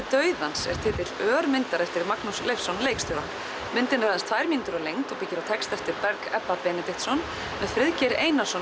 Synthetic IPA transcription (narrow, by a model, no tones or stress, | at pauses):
t̪œːɥðansɛ̰ɾ̥t̪ʰɪːt̪ɪt̪lœːɾmɪnt̪aɾɛft̪ɪɾmaknuslejfsɔnlejkst̪ɔːðan | mɪnt̪ɪnaɾaanst̪ʰvaːjɾmiːnt̪ʏɾɔlejŋkt̪ɔpɪcːɪɾawt̪ʰɛkst̪ɛft̪ɪɾpɛɾkɛpːapɛːnɛt̪ɪht̪sɔn | mɛðfɾɪðcɛɾeːjnasɔ